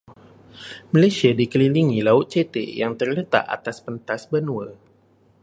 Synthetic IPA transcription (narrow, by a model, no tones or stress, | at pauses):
malasiadikəliliŋilaʊt̪̚t͡ʃet̪ḛjaŋt̪ərlət̪a̰ʔa̰t̪aspənt̪asbənuwə